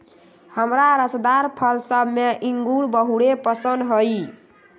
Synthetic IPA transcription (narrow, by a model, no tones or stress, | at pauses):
həmɾaɾəsd̪aɾpʰəlsəbmeʔiŋɡuɽbəɦuɽepəsənd̪ɦoj